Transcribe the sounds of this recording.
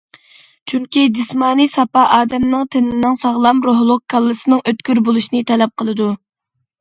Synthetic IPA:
t͡ʃʰyŋkʲid̪ɨsmɑːnisɑpɑʔɑːd̪ɛmnɨŋt̪ʰɪnɪnɪŋsɑʁlˠɑmɾoɦlˠʊq̚kʰɑlˠːɨsɨnɨŋøt̪kʲyɾbolˠuʃinɨt̪ʰɛlɛp̚qʰəlˠɨd̪u

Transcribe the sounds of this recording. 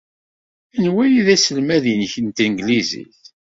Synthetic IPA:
ænwæjiðæsəlmæðinçənt̪iŋɡlizḭθ

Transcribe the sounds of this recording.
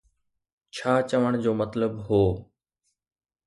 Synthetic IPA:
t͡ɕʰaːt͡ɕɐʋəɽ̃d͡ʑoːmɐt̪ləbɦoː

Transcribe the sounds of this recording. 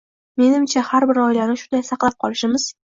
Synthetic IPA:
me̞nɪmt͡ʃʰahaɾbɪɾɒjlanɪʃʊnd̪ajsɑqlˠap̚qʰɒlˠɪʃɪmɪz̥

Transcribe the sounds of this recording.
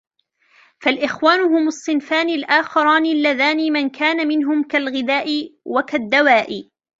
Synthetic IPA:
falʔɪxwaːnʊhʊmɑsˤːɨnfaːnɪlʔaːxɑɾˤɑːnɪlːaðaːnimankʰaːnamɪnɦʊmkalɣɪðaːʔɪwakad̪ːawaːʔɪ

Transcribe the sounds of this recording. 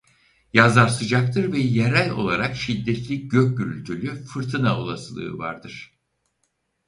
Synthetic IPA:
jazaɾsɯd͡ʒak̚t̪ʰɯɾvɛjeɾælʲo̞̰lˠaɾakʃid̪ːɛt̪lʲiɟøc̚ɟyɾy̰lʲt̪ʰylʲyfɯɾt̪ʰɯnaolˠa̰sɯlˠɯ̰ːva̰ɾd̪ɯɾ̥

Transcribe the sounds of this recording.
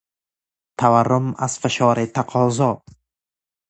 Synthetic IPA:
t̪ʰavarːʊmaz̥fɪʃɒːɾɪt̪ʰaqʰɒːzɔ

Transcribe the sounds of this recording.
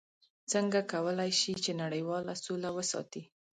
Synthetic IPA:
t͡səŋɡakawəlajʃit͡ʃenaɽəjwɑlasolawəsɑ̰t̪i

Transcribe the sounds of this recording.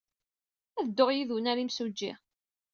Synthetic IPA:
æðəd̪ːoʁjiðunæɾimsud͡ʒːḭʁ

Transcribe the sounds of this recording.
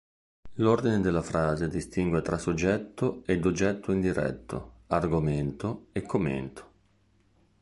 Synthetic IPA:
lord̪ined̪elːafɾaːzed̪ist̪iŋɡwet̪ɾasod͡ʒːɛt̪ːoed̪od͡ʒɛt̪ʰːoind̪iɾɛ̰t̪ʰːo̰arɡoment̪oekʰːomːḛnt̪ʰo̥

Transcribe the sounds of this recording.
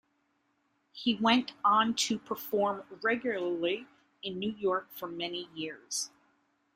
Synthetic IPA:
hiwɛ̃ntn̩tʰɨpʰə˞fɔɹmɹɛɡjl̩ˠə˞li | ɨ̃nːʉjɔɹkfə˞mɛnijɪɹz̥

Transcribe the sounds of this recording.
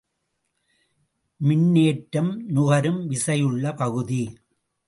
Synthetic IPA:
mɪnːeːʈːɐmnʊɣɐɾɯmʋɪsɐjɯɭːɐpɐɣɯði

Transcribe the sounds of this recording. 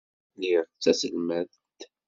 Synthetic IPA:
liɾˤt͡sːæsəlmæð | t̪

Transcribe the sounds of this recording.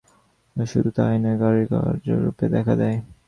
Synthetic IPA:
ʃud̪ut̪ajneɡaɾiɡa̰ɾd͡ʑḛɾṵped̪ɛkʰad̪ɛj

